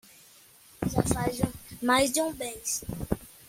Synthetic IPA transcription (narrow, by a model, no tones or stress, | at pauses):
ʒafazmajzd͡ʒɪũbẽjs